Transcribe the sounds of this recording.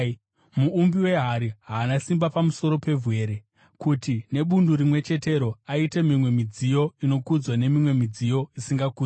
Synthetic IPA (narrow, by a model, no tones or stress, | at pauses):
muːmbiwe̞ɦaɾiɦaːnasimbapamuso̞ɾo̞pe̞vwe̞ɾe̞ | kutine̞ɓunduɾimwe̞t͡ʃe̞te̞ɾo̞aite̞mimwe̞mid͡zijo̞ino̞kud͡zwane̞mimwe̞mid͡zijo̞isiŋɡakuː